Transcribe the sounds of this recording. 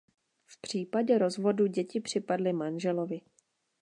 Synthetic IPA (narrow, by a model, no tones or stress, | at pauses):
fpr̝̥iːpaɟɛɾo̞zvo̞duɟɛcɪpr̥ɪpadlɪmanʒɛlo̞vɪ